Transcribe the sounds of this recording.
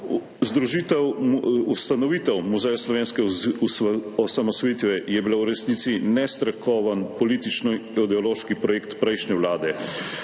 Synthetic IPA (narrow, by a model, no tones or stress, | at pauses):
zd̪ɾuʒiːt̪ɛwust̪anɔʋiːt̪ɛwmuzɛjaslɔʋeːnskɛ | ɔsamɔsʋɔjiːt̪ʋɛjɛbilawɾɛsniːt̪sinɛst̪ɾɛkɔːʋanpɔliːt̪it͡ʃnɔɔd̪ɛɔloːʃkipɾɔjeːkt̪pɾɛjʃnɛʋlaːd̪ɛ